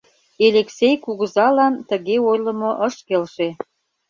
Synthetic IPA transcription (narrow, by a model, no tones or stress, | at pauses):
eleksejkuɣə̆zɑlɑnt̪əɣeojlə̆moʔəʃkelʃe